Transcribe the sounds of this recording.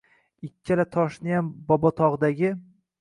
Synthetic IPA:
ɪkʲʰːɪlat̪ʰɒʃnɪjambɒbɒt̪ʰɒʁd̪aɡʲɪ

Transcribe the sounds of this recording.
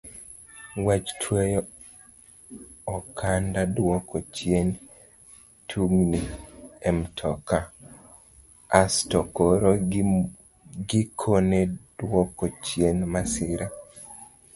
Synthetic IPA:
wat͡ʃtʰwejɔ | ɔkʰandadwɔkɔt͡ʃjen | tʰuŋniɛmtʰɔka | astokoɾo | ɡikʰoned̥wɔkɔt͡ʃjenmasɪɾa

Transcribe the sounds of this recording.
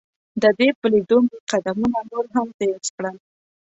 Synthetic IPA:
d̪əd̪epəlid̪omɡeqad̪amunanoɾɦamt̪eskɽəl

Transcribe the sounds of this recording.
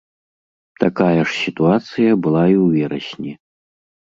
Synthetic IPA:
t̪akajɐʂsʲit̪uat̪sɨjɐbɨlˠaiwvʲɛɾɐ̰sʲnʲi

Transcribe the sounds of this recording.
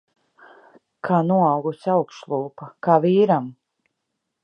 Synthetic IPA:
kʰaːnuɔɑwɡusʲawkʃlˠuːpakaːviːɾam

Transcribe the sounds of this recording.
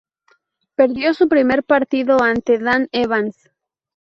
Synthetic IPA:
pe̞ɾðjo̞supɾime̞ɾpaɾt̪iðoant̪eðaneβans

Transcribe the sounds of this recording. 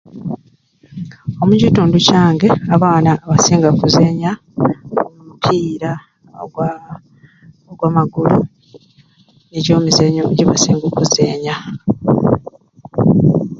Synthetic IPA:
o̞mucituːnducaːŋɡe̞aβaːnaβasiːŋɡakuze̞ːɲa | omumupʰiːɾa | w | oɡwaːmaɡulu | neɟo̞ːmuzeɲoɟeβa̰siːŋɡokuzeːɲa

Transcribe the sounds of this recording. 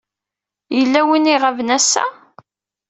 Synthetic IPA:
jəlːæwiniʁævnæsːæ̰

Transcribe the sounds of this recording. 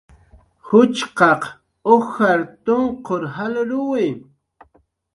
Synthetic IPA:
hʊt͡ʃqɑq | oxaɾt̪ʊɴqoɾɦalʊɾʊwɪ

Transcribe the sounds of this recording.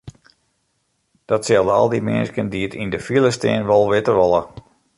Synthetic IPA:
d̥ɔtsɛlˠdəɔ̰lˠdimɪ̰nskəndiətindəfilˠəstɛ̰nʋɔlˠʋɪtərʋɔlə

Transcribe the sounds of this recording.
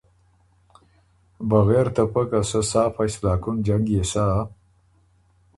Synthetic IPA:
baɣeɾt̪əpəkasəsɑːfaslɑkʊnd͡ʒaŋɡjesa

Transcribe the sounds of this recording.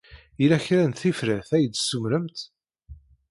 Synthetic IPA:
ilæçɾænt̪θifɾæθæjəd̪sumɾəmt̪

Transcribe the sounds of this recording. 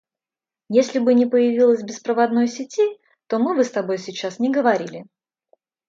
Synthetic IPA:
jesʲlʲɪbɨnʲɪpəjɪvʲilˠəsʲbʲɪspɾəvɐd̪no̞jsʲɪtʲi | t̪o̞mɨvɨst̪ɐbo̞jsʲɪt͡ɕːasnʲɪɡəvɐɾʲilʲɪ

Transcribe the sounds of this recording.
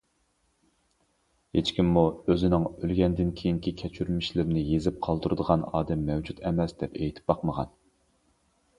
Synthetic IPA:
het͡ʃkʲimːuøzɪnɪŋølɡʲɛnd̪ɪnkʲʰejiŋkʲʰikʲʰɛt͡ʃʰyɾmiʃlɪɾnɪjezɪp̚qʰɑlˠd̪uɾɨd̪əʁɑnɑ̰ːd̪ɛmːɛwd͡ʒut̪ɛmɛsd̪ɛpejt̪ʰɪ̥p̚bɑqməʁɑ̰n

